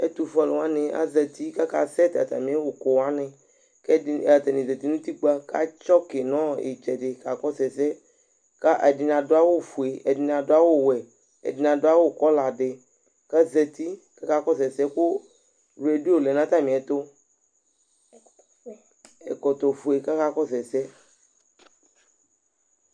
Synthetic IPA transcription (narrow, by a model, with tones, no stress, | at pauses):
ḛ˦t̪u˨fɔ˦lwã˦nẽ˨a̰˦zɛ˨t̪i˦ka˦ka̰˦sɛ˦t̪a̰˨t̪a̰˨mĩ˨˦e˦wo˨ko˨wa˦nẽ˨ | ke˦˨a˨t̪e˨nĩ˨ze˨t̪i˦nũ˦t̪i˦ɡ͡ba˦ka̰˦t͡ʃɔ˦ke˨nɔ̃˦ḛ˨t͡ʃɛ˨ɖe˨ka˨kɔ˦sɛ˨sɛ˦ | ka˦ʔe˨di˨nã˨do˦a˦wo˦fu˨e˨e˨di˨n˨ã˨do˦a˦wo˦˨wɛ˨ | ḛ˨di˨nã˨do˦a˦wo˦˨kɔ˦la˨ɖe˨ | ka˦ze˨t̪i˦ka˦ka˦kɔ˦sɛ˨sɛ˦ko˦ | ɾe˨di˦o˨le˨nã˦t̪a˦mĩ˨ɛ˨t̪o˦ | ḛ˨kɔ˨t̪o˨fu˨e˨ka˦ka˦kɔ˦sɛ˨sɛ˦